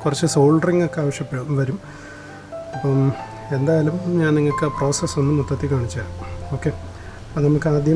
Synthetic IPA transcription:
kurɐt͡ɕːɨso̞ːɭɖriŋɡokːeaːʋɐʂjɐpːeɽumʋɐɾum | ɐpːɐ | e̞nd̪aːjalumɲaːnniŋːɐɭkɨpro̞ːsesonːumːut̪ːɐt̪ːikaːɳit͡ɕːɨaːuo̞ːkːe̞ | pɐnɐmɐkːɨaːd̪ʱjɐ

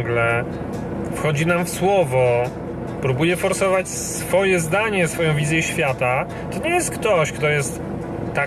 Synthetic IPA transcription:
ɡlɛ | fxɔd͡ʑinamfswɔvɔ | pɾubujɛfɔɾsɔvat͡ɕsfɔjɛzd̪aɲɛsfɔjɔ̃w̃vʲizʲjɛɕfʲjat̪a | t̪ɔɲɛjɛst̪̚kt̪ɔɕkt̪ɔjɛst̪ː | a

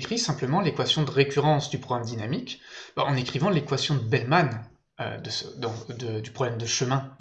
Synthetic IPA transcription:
kχisɛ̃pləmɑ̃lekwasjɔ̃d̪əʁekʲyʁɑ̃sd̪ypχɔɡʁamd̪inamikbaɑ̃nekχivɑ̃lekwasjɔ̃d̪əbɛlman | ø̰d̪əsd̪ɑ̃d̪əd̪ypχɔblɛmd̪əʃəmɛ̃

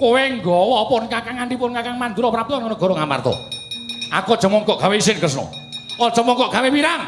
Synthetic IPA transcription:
koweŋɡɔwɔpʊnkakaŋanɖipʊnkakaŋmand̪uɾɔpɾap̚t̪ɔnkanɔɡ̥ɔɾɔŋama̰rt̪ɔ̰ | a̰kɔd̥ʒ̥əmɔŋkɔʔɡ̥aweisɪnkəsnɔ̰ | ɔ̥ʒ̥ə̤mɔŋkɔʔɡ̥a̤wepiɾaŋ

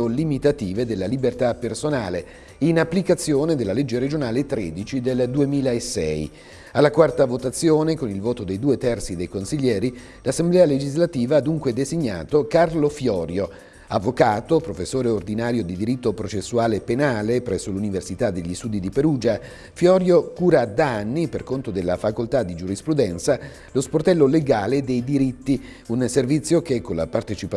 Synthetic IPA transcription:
olimit̪at̪iːved̪elːalibert̪apːersonaːle | inapːlikat̪sːjoːned̪elːalɛd͡ʒːeɾed͡ʒonaːlet̪ɾeːd̪it͡ʃid̪eld̪uemiːlaesːɛj | alːakwart̪avot̪at̪sːjoːnekonilvoːt̪od̪ejd̪uːet̪ɛrt̪sid̪ejkonsiʎːɛːɾi | lasːemblɛːaled͡ʒizlat̪iːvaad̪ːuŋkwed̪eziɲːa̰ːt̪okarlofjɔːɾjo | avːokaːt̪opɾofesːoːɾeord̪inaːɾjod̪id̪iɾit̪ːopɾot͡ʃesːuaːlepenaːlepɾɛsːoluniversit̪ad̪ːeʎːist̪uːd̪id̪ipeɾuːd͡ʒa | fjɔːɾjokuːɾad̪anːiperkont̪od̪elːafakolt̪ad̪id͡ʒuɾispɾud̪ɛnt̪sa | losport̪ɛlːoleɡaːled̪ejd̪iɾit̪ːi | unservit̪sːjokekːonla̰part̪et͡ʃip

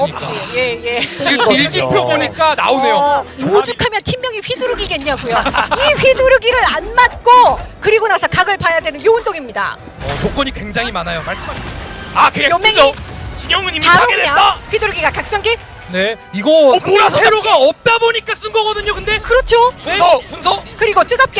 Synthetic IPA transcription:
ʌp̚t͡ɕ͈ijejeɡɯid͡ʑinpʰjoboɲik͈ana̰one̞jood͡ʑukʰamjʌntʰimːjʌŋiɸiduɾɯɡiɡeɲːaɡujoiɸiduɾɯɡiɾɯɾanmat̚k͈okɯɾiɡonasʰʌkaɡɯɭpajadwenɯnjound͈oŋimɲida̰ | t͡ɕok͈ʌɲikweŋd͡ʑaŋɦimanajomaɭs͈maakɯjʌmːeŋit͡ɕiɲʌŋɯnɲimaɾoeɲaaɸiduɾɯɡiɡakak̚s͈ʌŋke | ne̞iɡʌeɾoɡaʌp̚t͈aboɲik͈as͈ɯnɡʌɡʌdɯɲokɯnde̞kɯɾʌt͡ɕʰounpunsʰʌkɯɾiɡot͈ɯɡap̚k͈e

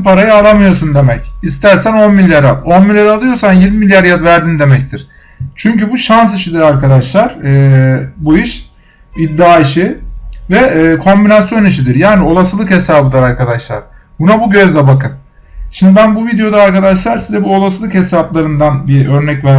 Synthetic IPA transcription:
paɾajaalˠamɯjo̞sund̪e̞mɛcist̪ʰæɾsæno̞nmilʲːjaɾalo̞nmilʲjaɾalˠɯjo̞ɾsanjiɾmimilʲjaɾjad̪væɾd̪ind̪e̞mɛc̚t̪ʰiɾ̥ | t͡ʃʰyɲcybuʃans̬iʃid̪iɾaɾkad̪aʃlˠaɾɯːbuiʃ | id̪ːaːiʃivɛːkʰo̞mbinasjo̞niʃid̪iɾjaːnio̞lˠasɯlˠɯkhe̞saːbɯd̪ˠaɾaɾkʰad̪aʃlˠa̰ɾ̥ | bunabuɟø̞zd̪ʲɛbakʰɯn | ʃimd̪ibænbuvid̪ejo̞d̪aːɾkad̪aʃlˠaɾsizɛbuo̞lˠasɯlˠɯkhe̞saplˠaɾɯnd̪anbiø̞ɾnɛcvæɾ

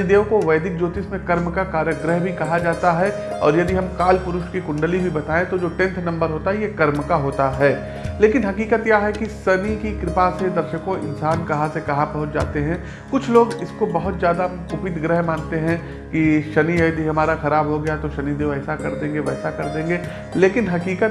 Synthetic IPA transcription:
id̪eːõkoʋɐːd̪ɪk̚d͡ʒoːt̪ismẽkɐɾmkakaːɾjəɡɾəɦbʱikɐɦad͡ʒaːt̪aɦɛ | ɔ̰ːɾjɐd̪iɦɐmkaːlpʊɾʊʃkikʊ̃ɳɖəlibʱibɐt̪aːẽt̪od͡ʒoːʈɛ̃nt̪ʰnɐ̃mbəɾɦoːt̪aɦɛjekɐɾmkaɦoːt̪aɦɛː | leːkɪnɦɐkiːkət̪jaɦɛkisɐnikikɾɪpased̪ɐɾʃəkõʔɪ̰nsaːnkɐɦãsekɐɦabɐɦʊt̪d͡ʒa̰ːt̪eɦɛ̃ | kʊt͡ʃʰloːɡɪskobɐɦʊt̪zjaːd̪akʊpɪt̪ɡɾəɦmaːnt̪eɦɛ̃ | kiʃɐniɐd̪ʱiɦɐmaːɾaxɐɾaːbɦoɡɐjat̪oʃɐnid̪eɛːsakɐɾd̪ẽːŋɡeʋɛːsakɐɾd̪ẽːŋɡe | leːkɪnɦɐkiːkət̪

